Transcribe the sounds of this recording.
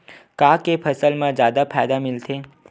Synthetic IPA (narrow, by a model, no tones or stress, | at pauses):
kakepʰəsəlmãd͡ʒjad̪apʰajd̪amɪlt̪ʰe